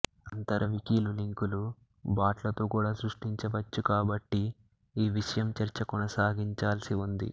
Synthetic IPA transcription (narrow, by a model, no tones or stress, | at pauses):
ɐnt̪ɐɾʔɐʋikiːluliŋkulu | baːʈlɐt̪oːkuːɽaːsɾuʂʈiɲt͡ʃɐʋɐt͡ʃːukaːbɐʈːi | iːʋiʂɐjɐmt͡ʃɐɾt͡ʃɐkɔnɐsaːɡiɲt͡ʃaːlɐsiund̪ḭ